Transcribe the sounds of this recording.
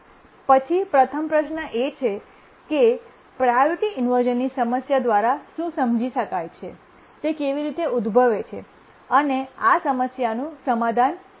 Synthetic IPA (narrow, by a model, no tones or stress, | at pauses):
pət͡ʃʰipɾət̪ʰəmpɾəʃnəʔet͡ʃʰe | ke | pɾajoɾʈiɪnʋəɾd͡ʒənːisəməsjad̪ʋaɾaʃũsəmd͡ʒiʃəkajt͡ʃʰḛ | t̪ekeʋiɾit̪eud̪bʱəʋet͡ʃʰḛ | əneasəməsjanũsəmad̪ʱan